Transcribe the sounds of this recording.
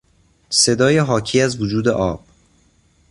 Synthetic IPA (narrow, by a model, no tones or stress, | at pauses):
se̞d̪ɒːjeɦɒːcʰiːæzvod͡ʒuːd̪eʔɒːb̥̚